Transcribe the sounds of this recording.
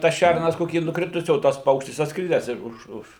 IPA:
tɐs ˈʃʲærnɐs ˈkoːkʲiː nʊˈkrʲɪtʊsʲiː oː ˈtɐs ˈpɐʊkʃʲtʲɪs ɐtsˈkrʲɪdʲæːs ɪʃ ˈʊʃ ˈʊʃ

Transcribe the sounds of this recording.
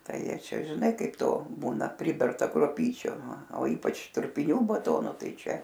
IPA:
ˈtɐɪ ˈjiɛ ˈt͡ʃʲɛ ʒʲɪˈnɐɪ ˈkɐɪp ˈtoː ˈbuːnɐ ˈpʲrʲɪbʲɛrtɐ kruɔˈpʲiːt͡ʃʲʊ ɐ oː ˈiːpɐt͡ʃ trʊpʲɪˈnʲuː bɐˈtoːnoː ˈtɐɪ ˈt͡ʃʲɛ

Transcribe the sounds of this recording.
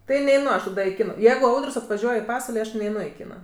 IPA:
ˈtɐɪ nʲɛɪˈnʊ ɐʃ tɐˈdɐ ɪ ˈkʲɪnɐ ˈjɛɪɡʊ ˈɐʊdərʲsʲ ɐtʋɐˈʒʲuɔj ɪ ˈpɑːsʋɐlʲ nʲɛɪˈnʊ ɐʃ ɪ ˈkʲɪnɐ

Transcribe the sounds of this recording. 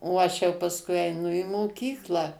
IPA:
oː ˈɐʃ jɛʊ pɐsˈkʊɪ ɛɪˈnʊ iː moːˈkʲiːklˠɑː

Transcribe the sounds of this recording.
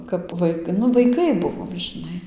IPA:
kɐp ˈʋɐɪ nʊ ʋɐɪˈkɐɪ ˈbʊʋoːm ʒʲɪˈnɐɪ

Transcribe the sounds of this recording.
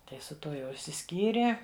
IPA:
ˈtɐɪ sʊ ˈtuɔ jɛʊ ɪʃʲsʲɪˈsʲkʲiːrʲeː

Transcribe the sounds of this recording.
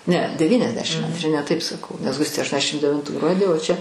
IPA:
nʲɛ dʲɛˈʋʲiːnʲɛzʲdʲɛʃʲɪm ɐnʲtʲˈrʲɪ nʲɛ tɐɪp sɐˈkɐʊ nʲɛs ˈɡʊsʲtʲeː ɐʃtuɔnʲɛˈzʲdʲæːʃʲɪm dʲɛʋʲɪnˈtuː ˈɡruɔdʲiː oː ˈt͡ʃʲɛ

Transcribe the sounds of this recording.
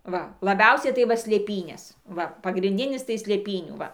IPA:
ˈʋɐ lˠɐˈbʲɛʊsʲɛɪ tɐɪ ˈʋɐ sʲlʲeːˈpʲiːnʲeːs ˈʋɐ pɐɡrʲɪnʲˈdʲɪnʲɪs tɐɪ sʲlʲeːˈpʲiːnʲuː ˈʋɐ

